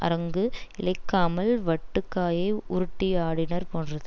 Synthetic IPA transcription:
ʔɐ̰ɾɐŋɡɯɪlɐɪkːaːmɐlʋɐʈːɯkːaːjeːʊɾʊʈːɪjaːɽɪnɐɾpoːnrɐðɯ

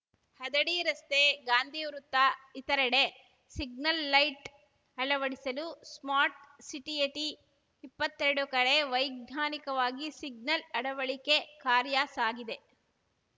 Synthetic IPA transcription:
hɐd̪ɐɽiɾɐst̪eɡaːnd̪ʱijuɾut̪ːɐit̪ɐɾɐɽe | siɡ̚nɐlːɐjʈ | ɐɭɐʋɐɽisɐlusmaːɾʈsiʈieʈi | ipːɐt̪ːeɾɽukɐɭeʋɐjɡ̚naːnikɐʋaːɡisiɡ̚nɐlɐɽɐʋɐɭike̞kaːɾjaːsaːɡid̪e̞

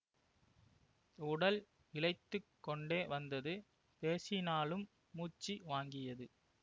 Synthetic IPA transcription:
ʊɽɐl | ɪlɐɪt̪ːɯkːɔɳɖeːʋɐnd̪ɐðɯ | peːsɪnaːlɯmː | uːt͡ʃːiʋaːŋɡɪjɐðɯ

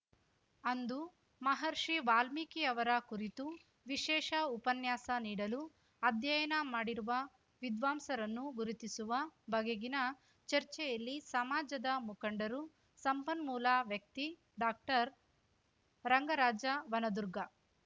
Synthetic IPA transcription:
ɐnd̪u | mɐɦɐɾʂiʋaːlmikiɐʋɐɾɐkuɾit̪u | ʋiʃɛːʂɐupɐnjaːsɐniːɽɐlu | ɐd̪jɐjɐnɐmaːɽiɾuʋɐ | ʋid̪ʋaːmsɐɾɐnːuɡuɾut̪isuʋɐbɐɡeɡinɐ | t͡ʃɐɾt͡ʃɛjɐlːisɐmaːd͡ʒɐd̪ɐmukɐɳɖɐɾu | sɐmpɐnmuːlaːʋjɐk̚t̪i | ɖaːk̚ʈɐɾ | ɾɐŋɡɐɾaːd͡ʒɐʋɐnɐd̪uɾɡɐ

